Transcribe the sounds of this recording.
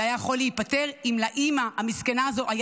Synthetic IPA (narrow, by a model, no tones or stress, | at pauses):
ajajeχo̞lːeipate̞ʁimlaʔimahamiskanaːzo̞ʔaj